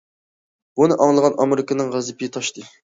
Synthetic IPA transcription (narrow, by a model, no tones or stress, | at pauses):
bunɨʔɑŋlˠəʁɑnʔɑmeɾɪknɨŋʁæzɨpʰɪt̪ʰɑʃt̪ʰɨ